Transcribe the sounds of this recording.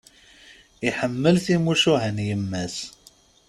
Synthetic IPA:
iħəmːəlθimuʃuhənjəmːæs

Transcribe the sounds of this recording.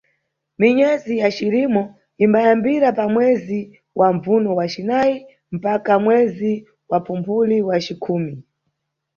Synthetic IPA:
miɲɛzijat͡ʃiɾimɔ | imbajambiɾapamwɛzi | wʔaɱvunɔwat͡ʃinai | m̩pakamwɛzi | wapumpuliwat͡ʃikʰuːmi

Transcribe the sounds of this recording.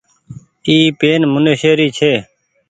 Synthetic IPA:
iːpeːnmʊneʃeːɾiːt͡ʃʰeː

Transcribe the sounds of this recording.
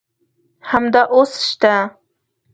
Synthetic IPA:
hamd̪aʔosɪ̥ʃt̪a

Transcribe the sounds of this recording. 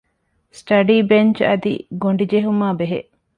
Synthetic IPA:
sʈɐɖiːbent͡ʃɐd̪ḭɡoɳɖid͡ʒeɦumaːbeɦeʔ

